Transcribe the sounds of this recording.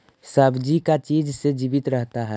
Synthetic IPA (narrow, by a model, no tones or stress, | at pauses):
səbd͡ʒikat͡ʃiːd͡ʒsed͡ʒiːbɪt̪ɾəɦt̪aɦɛ